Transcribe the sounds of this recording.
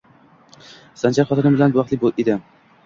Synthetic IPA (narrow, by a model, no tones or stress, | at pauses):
sant͡ʃaɾχɒt̪ɪnɪmbɪlanbʊvɑqt̪lɪbolʔed̪ɪ